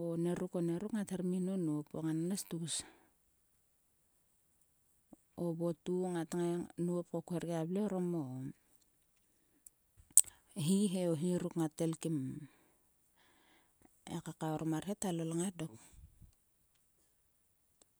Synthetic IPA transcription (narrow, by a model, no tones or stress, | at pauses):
one̞ɾuko̞neɾukŋateɾminonuopoŋananastuɡus | obo̞tuŋataŋanuopkokueɾɡeableoɾomo | ɦiɦe̞oɦiɾukŋate̞lkim | ḛkakaoɾʔomaɾhetalolaŋadok